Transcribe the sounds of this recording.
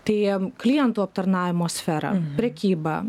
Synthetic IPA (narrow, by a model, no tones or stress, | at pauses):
t̪ɐɪklʲijɛnt̪uːɐp̚t̪ɐɾnɑːʋʲɪmoːsʲfʲɛːɾɐ̰pʲɾʲɛkʲiːbɐ